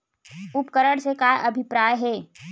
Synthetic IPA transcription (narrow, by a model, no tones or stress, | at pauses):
ʊpkəɾəɽsekaːjʔɐbʱɪpɾaːjɦɛː